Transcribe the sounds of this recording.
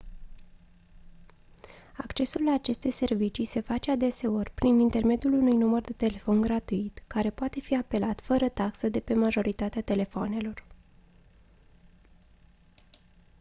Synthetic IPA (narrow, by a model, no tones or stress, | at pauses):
akt͡ʃe̞sulːaːt͡ʃe̞st̪e̞jse̞rvit͡ʃise̞fat͡ʃe̞ad̪e̞se̞o̞rʲpɾinint̪e̞rme̞d̪julunujnumərd̪e̞t̪e̞le̞fo̞nɡɾat̪uit̪kaɾe̞poat̪e̞fiape̞lat̪fəɾət̪aksəd̪e̞pe̞maʒo̞ɾʔit̪at̪eat̪e̞le̞foone̞lo̞r